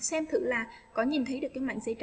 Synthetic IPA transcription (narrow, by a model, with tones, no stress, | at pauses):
sɛ˧mt̪ʰɨ̰˧˨laː˨˩kɔ˨˦ɲi˨˩nt̪ʰə˨˦jɗɨ˨˩əkːaː˨˦jma̰˧˨ŋzə̰˧˥˦jt͡ɕ